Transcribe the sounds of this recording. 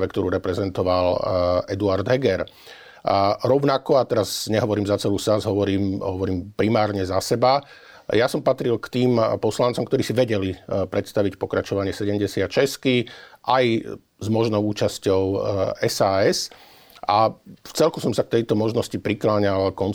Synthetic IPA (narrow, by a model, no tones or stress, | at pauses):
ʋɛkt̪ɔɾuːɾɛpɾɛzɛnt̪ɔʋalɛd̪uaɾd̪ɦɛɡɛɾ | ɾɔʊnakɔat̪ɛɾazɲɛɦɔʋɔɾiːmzat͡sɛluːsazɦɔʋɔɾiːmɦɔʋɔɾiːmpɾimaːɾɲɛzasɛba | jasɔmpat̪ɾilkt̪iːmpɔslant͡sɔmkt̪ɔɾiːsiʋɛɟɛlipɾɛt̪st̪aʋicpɔkɾat͡ʃɔʋaɲɪɛsɛɟɛmɟɛsɪat̪t͡ʃɛskiʔaj | zmɔʒnɔʊuːt͡ʃascɔʊɛsaːɛs | ʔaft͡sɛlkusɔmsak̚t̪ɛjt̪ɔmɔʒnɔscipɾiklaːɲalkɔn